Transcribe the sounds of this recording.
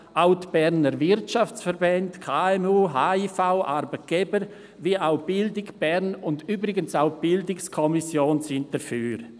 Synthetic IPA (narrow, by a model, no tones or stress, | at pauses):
ʔaʊtb̥ɛʁnəɾvɪɾtt͡ʃaft͡sfəɾbɛndkʰaɛmuːɦaːifaʊʔaɾbət̚ɡ̥ɛbəɾ | viəʔaʊb̥ɪldɪkb̥ɛɾnʊndyːbɾɪɡənsaʊb̥ɪldɪkskʰɔmisjoːnsɪnt̚d̥əfyːɾ